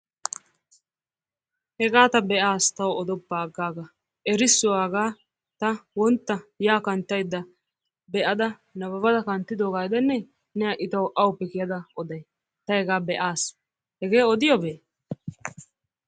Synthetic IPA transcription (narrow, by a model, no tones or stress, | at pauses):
hɛɡaːt̪ɐbɛʔaːst̪ɐwɔɔd̪ɔbːaːɡːaːɡɐ | ʔɛɾɪsːʊwaːɡaː | t̪ɐwɔnt̪ːɐjaːkɐnt̪ːɐjd̪ːɐ | bɛʔɐd̪ɐ | nɐbɐbɐd̪ɐkɐnt̪ːɪd̪oːɡaːjd̪ɛnːɛ | nɛɐʔɪt̪ɐwʔɐwʊpːɛkɪjɐd̪ɐɔd̪ɐj | t̪ɐhɛɡaːbɛʔaːs | hɛɡeːɔd̪ɪjɔbeː